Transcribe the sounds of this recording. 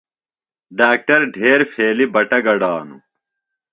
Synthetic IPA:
ɖaːk̚ʈɐɾɖʱeːɾfeːlibɐʈɐɡɐɽaːnṵ

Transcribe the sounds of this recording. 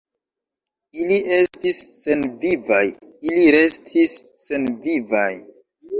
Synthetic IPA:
iliʔestisːe̞nviva̰j | iliɾe̞stʰisː | e̞nvivaj

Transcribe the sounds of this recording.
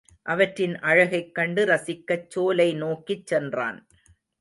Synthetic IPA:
ʔɐʋɐʈrɪnʔɐɻɐɣɐɪkːɐɳɖɯɾɐsɪkːɐt͡ʃːoːlɐɪnoːkit͡ʃːɛndra̰ːn

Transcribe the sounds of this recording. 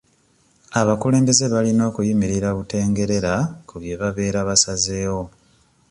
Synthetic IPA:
aβakule̞ːmbe̞ze̞βalino̞ːkujimiɾiɾaβute̞ːŋɡe̞ɾe̞ɾakuβje̞βaβe̞ːɾaβasaze̞ːwo̞

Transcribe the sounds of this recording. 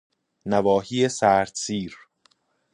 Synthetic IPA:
nævɒːhiːesæːɾd̪̥siːɾ

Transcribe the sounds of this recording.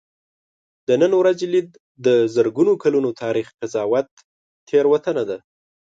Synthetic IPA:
d̪̥ənənwɾazelid̪ | d̪əzəɾɡunokalunot̪ʰɑɾixqazɑwat̪ːʰ | eɾwat̪ənad̪a

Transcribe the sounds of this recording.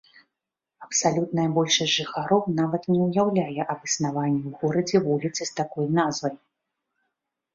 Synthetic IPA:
ɐpsalʲut̪nɐjɐbɔlʲʂɐsʲʐɨxaɾɔwnavɐt̪nʲɛwjawlʲajɛʔɐbɨsnavanʲːiwɣɔɾɐd͡zʲɛvulʲit̪sɨst̪akɔjnazvɐj

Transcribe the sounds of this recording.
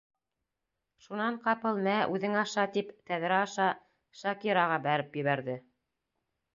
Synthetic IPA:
ʃunɑɴqɑpɤlˠmæʔʉðɘŋɑʃɑt̪ipt̪æðɾæɑʃɑ | ʃɑkiɾɑʁɑbæɾɘpjɘ̆βæɾðɘ

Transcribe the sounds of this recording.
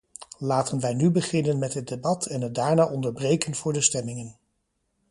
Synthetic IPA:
laːtənʋɛjnybəχɪnənmɛtɦət̚debɑtʰɛnɦədaːɹnaːʔɔndəɹbrejkənv̥ʊːɹdəstɛmɪŋən

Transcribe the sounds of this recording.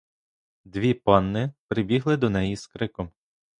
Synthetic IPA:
d̪ʋʲipɑnːɪpɾɪbʲiɦlˠɪd̪ɔnɛjiskɾɪkɔm

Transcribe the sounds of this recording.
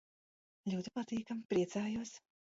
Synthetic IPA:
lʲuːt̪u̥pat̪iːkampɾiɛt̪saːjuɔs

